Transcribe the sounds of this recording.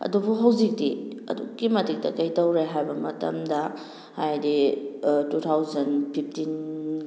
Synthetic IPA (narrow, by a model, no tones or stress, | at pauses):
ɐ̰dubuɦawzik̚diɐ̰duɡimɐtik̚tɐkɐjtɐwɾejɦajbɐmɐtɐ̰mdɐ | hajdi | tut̪ʰawzɐnpʰip̚ʰtin